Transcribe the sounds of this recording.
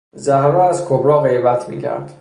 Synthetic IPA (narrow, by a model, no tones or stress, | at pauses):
zæhɾɔæzkʰobɾɒːɣe̞jbæt̪ʰmḭːcʰæ̰ɾd̪̥